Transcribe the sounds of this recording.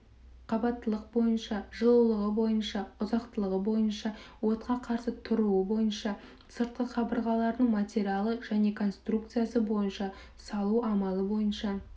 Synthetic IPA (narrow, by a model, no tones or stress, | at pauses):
qʰɑbɑt̪ːəlˠəq̚bo̞jənʃɑʒəlˠulˠəʁəbo̞jənʃɑʊzɑqt̪əlˠəʁəbo̞jənʃɑwo̞t̪qɑqʰɑɾsət̪ʰʊɾuəbo̞jənʃɑ | səɾt̪̚qəqʰɑbəɾʁɑlˠɑɾd̪əɴmat̪ʲeɾʲialˠəʒæne̞kʰo̞nst̪ruk̚t̪sɨjasəbo̞jənʃɑ | sɑlˠuʔɑmɑlˠəbo̞jənʃɑ